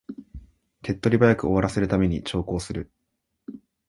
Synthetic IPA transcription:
ke̞t̪ːo̞ɾʲibajakɯ̟oβaɾase̞ɾɯ̟t̪ame̞ɲ̟ḭt͡ɕo̞ːko̞ːsɨɾɯ̟

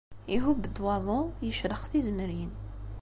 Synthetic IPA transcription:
iɦubːəd̪wɑðˤojəʃɾəχθizməɾjən

